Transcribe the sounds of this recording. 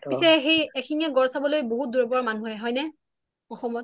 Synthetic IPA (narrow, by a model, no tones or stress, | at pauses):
pisɛxejɛkʰiniaɡɔɹsabɔlojboɦut̚duɹɔbɔɹɔmanuɛɦɔjnɛ | ɔxɔmɔt̚